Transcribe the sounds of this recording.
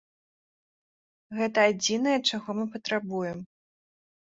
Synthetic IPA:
ɣɛt̪ɐːd͡zʲinɐjɛt͡ʂaɣɔmɨpɐt̪ɾabujɛm

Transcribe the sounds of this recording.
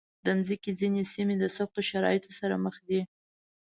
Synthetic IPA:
d̪əmzikizinesimed̪əsaxt̪oʃaɾɑ̰jɪt̪ʰosaɾa̰məxd̪i

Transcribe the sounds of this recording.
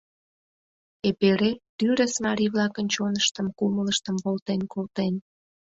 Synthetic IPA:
epeɾet̪yɾəsmɑɾiβlɑkənt͡ɕonəʃt̪əmkumələʃt̪əmkolt̪enkolt̪en

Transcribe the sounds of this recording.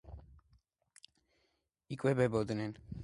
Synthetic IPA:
ikʼwɛbɛbɔd̪nɛn

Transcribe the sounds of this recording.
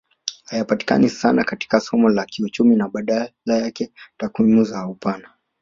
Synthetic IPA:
hajapati̥ka̰nisanakati̥kasɔmɔlakiut͡ʃuminaɓaɗalajakɛtakwimuzaupana

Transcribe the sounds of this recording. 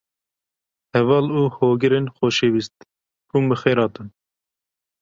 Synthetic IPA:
hɛvɑːluːhoːɡɨɾenxoːʃewist̪i̥ | buməxeːɾɑːt̪ɨn

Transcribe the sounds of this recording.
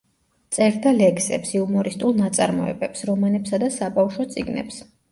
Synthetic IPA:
t̪sʼɛɾd̪alɛksɛ̰psiumɔɾist̪ʼulˠnat̪sʼaɾmɔ̰ɛ̰bɛpsɾɔmanɛpsad̪asabafʃɔt̪sʼiɡnɛ̰ps

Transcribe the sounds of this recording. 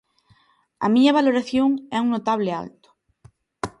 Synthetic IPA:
ɐ̰miɲɐβ̞aloɾaθjoŋɛuŋnot̪aβ̞lea̰lt̪ʊ̥

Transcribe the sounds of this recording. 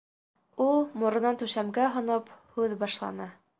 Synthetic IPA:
ulˠmŏɾɤ̆nɑnt̪ʉʃæmɡæɦŏnɤphʉðbɑʃlˠɑ̰nɤ

